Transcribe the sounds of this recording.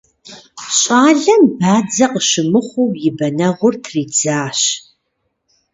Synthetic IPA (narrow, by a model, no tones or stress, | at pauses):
ɕʼaːɮɐmbaːd͡zɐqəʃɨmɨχʷʊjɪbɐnɐʁʷʊrtʰriːd͡zaːɕ